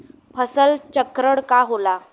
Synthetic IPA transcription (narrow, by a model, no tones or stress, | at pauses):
pʰəsəlt͡ɕəkɾəɽkaɦola